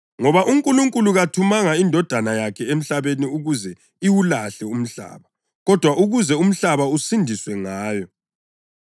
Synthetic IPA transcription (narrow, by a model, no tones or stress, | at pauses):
ŋɔβaʔuŋkʼuluŋkʼuluɣatʰumaŋaindʱɔd̥ʱanajakʰɛem̩ɬaβeniuɣuzɛ | iwulaɬɛum̩ɬa̰ːβa | ɣɔd̥ʱwauɣuzɛum̩ɬaβausindʱiswɛŋaːjɔ